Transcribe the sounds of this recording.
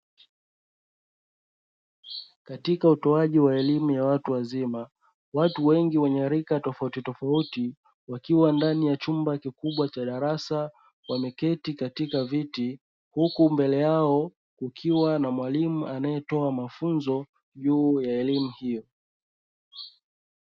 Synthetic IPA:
katikautɔaʄiwaɛlimujawatuwazima | watuwɛŋɡiwɛɲɛɾikatɔfautitɔfauti | wakiwandanijat͡ʃumbakikuɓwat͡ʃaɗaɾasa | wamɛkɛtikatikaviti | hukumbɛlɛjaɔ | kukʰiwanamwalimuʔanajɛtɔamafunzɔ | ʄuːjaɛlimuhijɔ

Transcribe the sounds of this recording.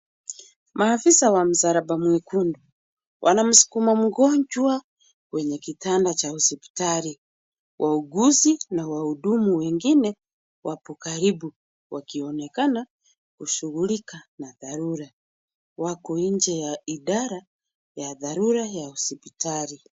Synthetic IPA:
maːfisawam̩zaɾabamwikundu | wʔa̰nam̩su̥kumam̩ɡɔɲd͡ʒwa | wɛɲɛkitandat͡ʃausɛpi̥taɾi | wʔauɡuzinawauɗumuwɛŋɡinɛ | wʔapɔkaɾibu | wakiɔnɛkana | kuʃuɣulikanaðaɾuɾa | wakɔiɲd͡ʒɛjaiɗaɾa | jaðaɾuɾajausɛpitaɾi

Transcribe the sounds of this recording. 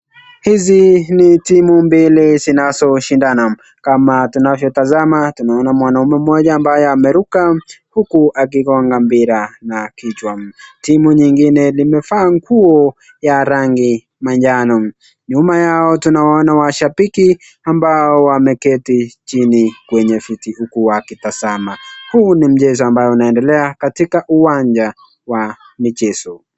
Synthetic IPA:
hizinitimumbilizinazɔʃindana | kamatunavjɔtazamatunaɔnamwanaumɛm̩mɔʄaːmbajɔamɛɾukahukuʔak̬ikɔŋɡambiɾanakit͡ʃwam̩timuɲiŋɡinɛlimɛfaːŋkuɔ | jaɾaŋɡi | maɲd͡ʒanɔm | ɲumajaɔtunawaɔnawaʃapiki | ambaɔwamɛkɛtit͡ʃinikwɛɲɛfitihukuwakitasamahuːnim̩t͡ʃɛzɔambajɛunaɛndɛlɛakatikaʔuwaɲd͡ʒa | wa | mit͡ʃɛsɔ

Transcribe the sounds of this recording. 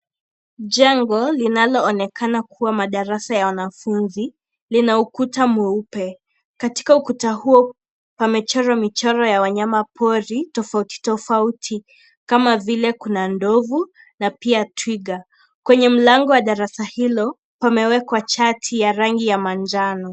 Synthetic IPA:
ʄɛŋɡɔlinalɔːnɛkʰanakʰuwamaɗaɾasajawanafunzi | linaukutamuupɛ | kati̥kaukutahuɔ | pamɛt͡ʃɔɾɔmit͡ʃɔɾɔjawaɲamapʰɔɾitɔfauti̥tɔfautʰi | kamavilɛkunandɔvu | napiatwiɠa | kwɛɲɛm̩laŋɡɔwaɗaɾasahilɔ | pamɛwɛkwat͡ʃatʰijaɾaŋɡijamand͡ʒanɔ

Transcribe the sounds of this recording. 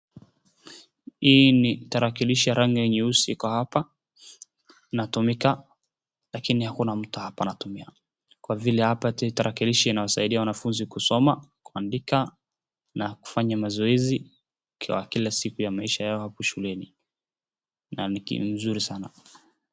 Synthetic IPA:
hiːnitaɾakiliʃijaɾaŋijɛɲɛusiikɔhapa | natumika | lakinihakunam̩tuhapanatumia | kwavilɛhapattaɾakiliʃiinawasaiɗiawanafunzikusɔmakuandika | naku̥faɲamazɔɛzi | kʰwa̰kilasikujamaiʃajaɔhapɔʃulɛni | nanikḭm̩zuɾisana

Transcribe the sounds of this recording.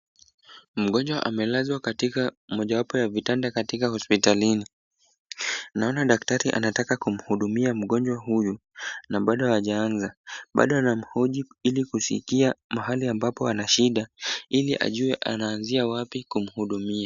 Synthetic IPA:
m̩ɠɔɲd͡ʒwaʔa̰mɛlazwakatikamɔʄawapɔjavitandakatikahɔspitalini | naɔnaɗaktaɾiʔa̰natakakum̩huɗumiam̩ɠɔɲd͡ʒwaɦuju | naɓaɗɔaʄaanzaɓa̰ɗɔanam̩hɔʄiilikusḭkiamaɦaliambapɔanaʃiɗailiʔa̰ʄuɛʔa̰naːnziawapikum̩huɗumia

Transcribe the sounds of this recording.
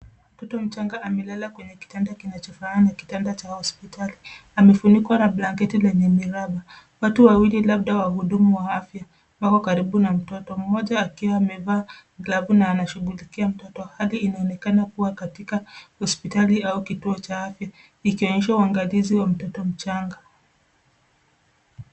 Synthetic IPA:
mm̩tɔtɔm̩t͡ʃaŋɡaʔːmɛlalakwɛɲɛki̥tandakinat͡ʃɔfaanaki̥tandat͡ʃahɔspitʰaliamɛfunikwanablaŋkɛtilɛɲɛmiɾaɓa | watuwawililab̚ɗawahuɗumuwaafja | wakɔkaɾiɓunam̩tɔtɔm̩ːɔʄaːkiwaːmɛvaː | ɡlavunaːnaʃuɡulikiam̩tɔtɔhaliːnaɔnɛkanakuwakatikahɔspitaliaukituɔt͡ʃaafja | ikiɔɲɛʃauaŋɡaliziwam̩tɔtɔm̩t͡ʃaŋɡa

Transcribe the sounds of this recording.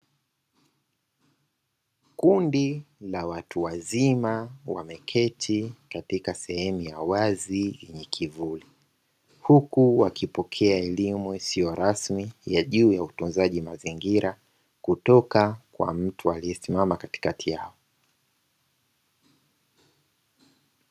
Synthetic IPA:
kundilawatʰuwazimawamɛkʰɛtʰikatikasɛhɛmujawazijɛɲɛkʰivuli | hukuwakipɔkʰɛaɛlimuisijɔɾasmijaʄuːjautunzaʄimaziŋɡiɾa | kutɔkakwa̰m̩tʰualiɛsimamakati̥katʰijaɔ

